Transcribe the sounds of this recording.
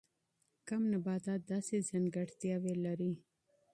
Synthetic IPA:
kamnabɑd̪ɑd̪ɑsezaŋɡaɽt̪jɑwelaɾi

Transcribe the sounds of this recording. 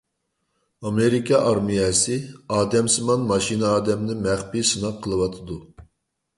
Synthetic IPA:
ɑmeɾikʰɑʔɑɾmijɛsɨɑːd̪ɛmsɨmɑnmɑʃinɨɑːd̪ɛmnɪmæχpisɨnɑq̚qʰːəlˠɨwɑt̪ʰɨd̪u

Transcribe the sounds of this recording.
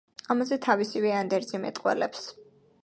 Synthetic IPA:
amazɛt̪ʰavisivɛand̪ɛɾd̪zimɛ̰t̪ʼqʼwɛ̰lɛps

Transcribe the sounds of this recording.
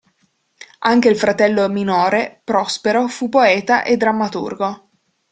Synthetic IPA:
aŋk̟eilfɾat̪ɛlːominoːɾepɾɔspeɾofupːoɛːt̪aʔed̪ːɾamːat̪ṵrɡo

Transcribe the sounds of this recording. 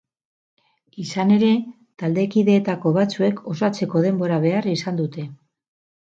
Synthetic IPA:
isane̞ɾe̞ | t̪ald̪e̞kiðe̞ːt̪ako̞βat͡sue̞kʰo̞sat͡se̞ko̞ð̞e̞mbo̞ɾaβe̞arisand̪ut̪e̞

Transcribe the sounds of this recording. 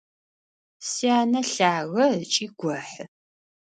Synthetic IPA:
siaːnɐɬaːɣɐt͡ʃʼiːɡʷɔħ

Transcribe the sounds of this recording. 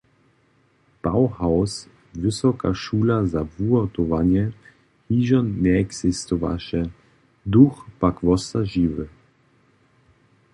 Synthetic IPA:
b̥awhaws | vɘsɔka̰ʃuːlazavuɔt̪ɔvanjɛ | hiʒɔnːɛɛksɛst̪ɔva̰ʃɛ | d̪uxpakvɔsaʒiːvɘ

